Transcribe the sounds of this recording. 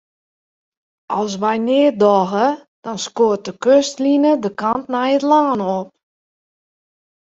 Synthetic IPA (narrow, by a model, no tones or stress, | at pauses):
ʔɔlˠs̬ʋɛjnɪːədɔɣə | d̥ɔnskoːt̚dəkøstlinədəkantnajətlaːnɔp̚